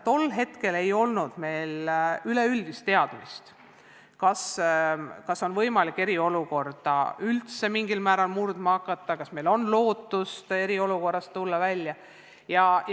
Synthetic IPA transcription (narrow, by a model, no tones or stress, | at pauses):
t̪o̞lːɦe̞t̪ke̞le̞jo̞lnud̪̥me̞ːlyle̞yld̪̥ist̪ːe̞ɑd̪̥mist̪ | kɑs | kɑso̞nvɤ̞jmɑlikːˑe̞ɾio̞luko̞rd̪̥ɑ̰ylt̪se̞miŋɡilmæːɾɑlmurd̪mɑɑkːˑɑt̪ːˑɑkɑsme̞jlo̞nlo̞ːt̪ːˑust̪e̞ɾio̞luko̞rːɑst̪ːulːɑvælʲːjɑ | jɑ